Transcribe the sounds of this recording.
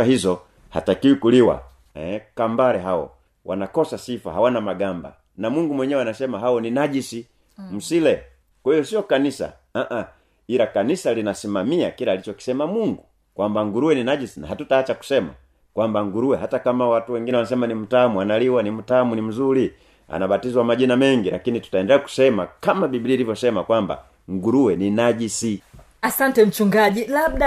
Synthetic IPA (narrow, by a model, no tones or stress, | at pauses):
aɦizɔ | ha̰takiwikuliwa̰ | ɛ̰kambaɾɛɦawɔ̰ | wa̰nakɔsasifa̰hawanamaɡamba̰ | namuŋɡumwɛɲɛwanasɛmaɦawɔninaʄisi | m̩silɛ | kwahiɔsiɔkanisa̰ | aʔa | iɾakanisalinasimamiakiɾaːlit͡ʃɔki̥sɛmamuŋɡu | kwambaŋɡuɾuwɛninaɟisina̰ɦatutaːt͡ʃaku̥sɛma̰ | kwambaŋɡuɾuwɛɦatakamawatuwɛŋɡinɛwanasɛmanim̩tamuanaliwanim̩tamunim̩zuli | a̰nabatizwamaʄinamɛŋɡilakinitu̥taɛndɛlɛaku̥sɛmakamabibiliːlivjɔsɛmakwamba̰ | ŋɡuɾuwɛninaɟisi | asantɛm̩t͡ʃuŋɡaɟilabda